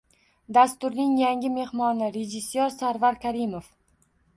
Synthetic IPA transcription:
d̪ast̪ʊɾnɪŋjaŋʲɪme̞hmɒnɪɾed͡ʒɪsjɒɾsaɾvaɾkʲʰaɾɪmof

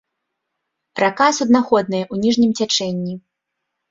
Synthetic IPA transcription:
rakasʲud̪naxɔd̪̚nɨjɐʔunʲiʐnʲimt͡sʲat͡ʂɛnʲːi

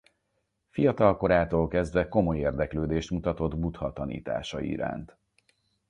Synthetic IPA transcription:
fijɒt̪ɒlko̞ɾaːt̪oːlkɛzd̪vɛko̞mo̞jeːrd̪ɛkløːd̪eːʃt̪mut̪ɒt̪o̞d̪but̪hɒt̪ɒnḭːt̪a̰ːʃɒḭɾa̰ːnt̪

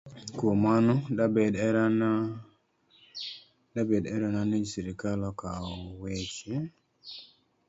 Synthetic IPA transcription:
kwomanɔdabɛdɛɾana | dabedɛɾɔnaned͡ʒsiɾikalɔkaɔwet͡ʃe

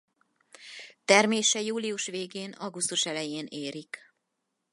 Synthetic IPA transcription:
t̪ɛrmeːʃɛjuːliuʃʋeːɡeːnɒɡust̪uʃɛlɛjeːneːɾik

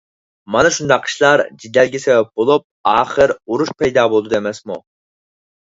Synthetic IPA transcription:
mɑnɨʃund̪ɑqʰːə̥ʃlˠɑɾd͡ʒid̪ɛlɡʲisɛwɛp̚bolˠup̚ɑːχəɾuɾuʃpɛjd̪ɑːbolˠd̪ud̪emɛsmṵ

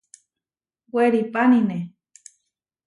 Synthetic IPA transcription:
weɾipanine

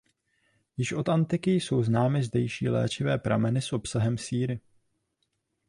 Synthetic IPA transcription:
jɪʃʔo̞t̪ant̪ɪkɪjso̞wznaːmɪzdɛjʃiːlɛ̰ːt͡ʃɪvɛːpɾa̰mɛnɪsʔo̞psaɦɛmsiːɾɪ

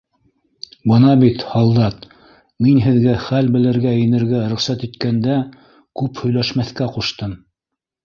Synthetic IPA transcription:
bɤnɑbit̪hɑlˠd̪ɑt̪ | minɦɘ̆ðɡæχælbɘ̆lɘ̆ɾɡæjɘ̆nɘ̆ɾɡæɾŏχsæt̪it̪kænd̪æ | kʉphɵ̆jlæʃmæθkæquʃt̪ɤm

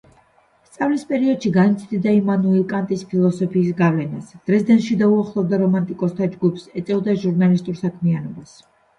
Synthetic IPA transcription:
st̪sʼavlispʼɛɾiɔd̪̥ʃiɡanit̪sʰd̪id̪aimanuikʼant̪ʼispʰilˠɔsɔpʰiːsɡavlɛnasd̪̥ɾɛsd̪ɛnʃid̪auaχlˠɔvd̪aɾɔmant̪ʼikʼɔst̪ʰad͡ʒɡupʰsɛt̪sʼɛvd̪aʒuɾnalist̪ʼuɾsakʰmianɔbas

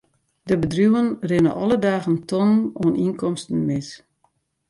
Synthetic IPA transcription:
dəbədrjuənrɪnə̰ʔɔlˠədaːɣəntʰɔnnoəninkɔmstən̩mɪs

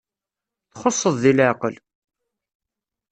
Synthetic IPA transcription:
θχosˤːəðˤðilʕɑqəl

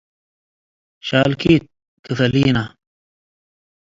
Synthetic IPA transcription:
ɕaːlkit̪̚ | t̪ufɐliːna

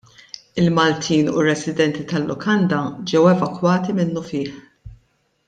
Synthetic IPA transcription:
ɪlmɐlt̪ʰiːnurɛsɪd̪ɛnt̪it̪ɐlːʊkʰɐnd̪ɐd͡ʒɛwɛvɐkwɐːt̪imɪnːʊfɪːħ

